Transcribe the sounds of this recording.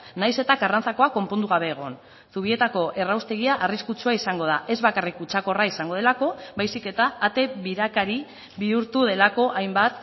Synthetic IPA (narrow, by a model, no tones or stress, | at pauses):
najse̞t̪akarant͡sako̞ako̞mpo̞nd̪uɣaβe̞ːɣ̞o̞̰n | suβ̞ie̞t̪ako̞ʔe̞rawst̪e̞ɣ̞iaʔariskut͡ʃuaisaŋɡo̞ð̞aʔe̞zβakarikut͡ʃako̞raisaŋɡo̞ð̞e̞lako̞βajsike̞t̪aːt̪e̞βiɾakaɾi | βiuɾt̪uð̞e̞lako̞ʔajmbat̪